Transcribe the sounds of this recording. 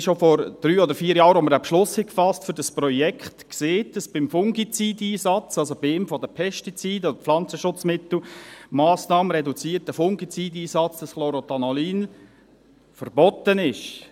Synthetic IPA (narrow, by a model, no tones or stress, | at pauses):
ʃofɔɾd̪̥ɾyːɔd̪əɾfiːɾjɑːɾoməɾapʃlʊshɛkfɑstfʏɾdɑspɾɔjɛkχtkseːt̚dɑsb̥ɪmfʊŋɡit͡sidiːsɑt͡sɑlsob̥iɪmfɔdəpʰɛʃtit͡siːdɔdəflɑnt͡səʃʊt͡smɪt̪l̩mɑːsnɑːməɾɛdut͡siːərtəfʊŋɡit͡sidiːsɑt͡sd̥ɑsχloɾot̪ɑnɔliːn | fəɾbɔt̪ənɪʃ